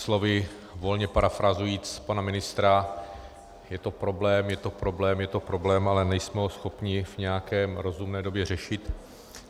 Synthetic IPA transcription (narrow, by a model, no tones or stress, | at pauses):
slo̞vɪ | vo̞lɲɛpaɾafɾazujiːt͡spanamɪnɪst̪ɾa | jɛt̪o̞pɾo̞blɛːmjɛt̪o̞pɾo̞blɛːmjɛt̪o̞pɾo̞blɛːmʔalɛnɛjsmɛɦosxo̞pɲɪvɲɛjakɛːɾo̞zumnɛːdo̞bjɛr̝ɛʃɪt̪